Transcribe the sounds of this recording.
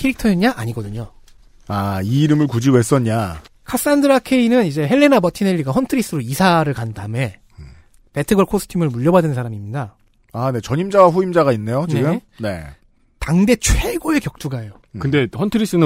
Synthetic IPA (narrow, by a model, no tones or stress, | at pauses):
kʰeɾik̚tʰʌeɲaʔaɲiɡʌdɯɲo | aiːɾɯmɯɭkud͡ʑiwe̞s͈ʌɲa | kʰas͈andɯɾakʰe̞inɯnid͡ʑe̞ɦe̞ɭːe̞nabʌtʰine̞ʎːiɡaɸʌntʰɯɾis͈ɯɾoisʰaɾɯɭkandame̞ | pe̞tʰɯɡʌɭkʰos͈ʰɯ̥tʰimɯɭmuʎːʌbadɯnnsʰaɾamimɲida | ane̞t͡ɕʌɲimd͡ʑawaɸuimd͡ʑaɣainːe̞joneɡɯn | ne̞̰ | taŋde̞t͡ɕʰwe̞ɡoe̞kjʌk̚t͈uɡaejo | kɯnde̞hʌntʰɯɾis͈ɯnɯ